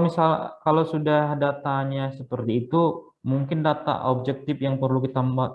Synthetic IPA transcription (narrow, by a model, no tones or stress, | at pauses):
misalkalawsudahdat̪aɲasəpərt̪iːt̪u | muŋkɪndat̪a̰ʔob̚d͡ʒɛk̚t̪ɪfjaŋpərlukit̪amba